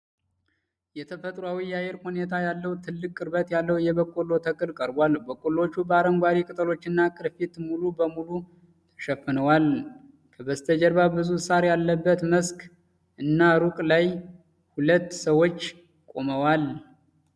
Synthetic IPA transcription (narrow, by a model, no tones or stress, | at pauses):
jɛt̪ʰəfət̪ʼɾwawijajɛɾhunet̪ʰajalːəwt̪ʰɨlːɨkʼːɨɾbət̪jalːəwjɛβəkʼːolo̞t̪ʰəkʼɨlkʼəɾbwalbəkʼːolo̞t͡ʃːubəaɾəŋɡʷaɾikʼɨt̪ʼəlo̞t͡ʃːɨnːakʼɨɾfit̪mulubəmulu | t̪ʰə̥ʃɛfːɨnəwal | kʰəbəst̪ʰəd͡ʒəɾβabɨzusaɾjalːəbːət̪məsk | ʔɨnːaɾukʼlaj | hulət̪ːsəwo̞t͡ʃː | kʼo̞məwal